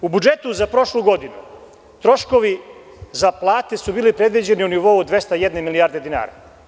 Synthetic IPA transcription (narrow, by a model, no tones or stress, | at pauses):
ubud͡ʒet̪uzapɾo̞ʃluɡo̞d̪inṵ | t̪ɾo̞ʃko̞ʋi | zaplˠaːt̪esubiːlipɾe̞d̪ʋid͡ʑe̞niuniʋo̞uod̪ʋe̞st̪ajed̪nemilijaːɾd̪e̞d̪ina̰ːɾa̰